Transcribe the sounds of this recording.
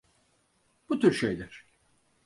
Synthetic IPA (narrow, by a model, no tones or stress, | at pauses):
b̥ut̪ʰyɾʃḛjlʲæɾ̥